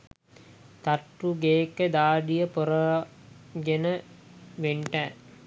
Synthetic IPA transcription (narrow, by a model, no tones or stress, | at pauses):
t̪aʈːuɡeːkːəd̪aːɖijəpoɾə | ɡenəʋeɳʈæ